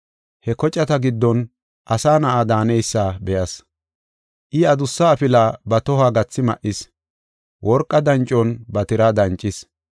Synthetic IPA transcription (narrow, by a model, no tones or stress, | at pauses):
hɛkɔt͡ʃʼːɐt̪ɐɡɪd̪ːɔn | ʔɐsaːnɐʔaːd̪aːnɛjsːaːbɛjɐs | ʔɪɐd̪ʊsːɐːpɪlaːbɐt̪ɔhaɡɐt͡sːɪmɐ̰ʔɪs | wʔɔɾkʼːɐd̪ɐnt͡ʃʼːɔnbɐt̪ɪɾad̪ɐnt͡ʃʼːɪs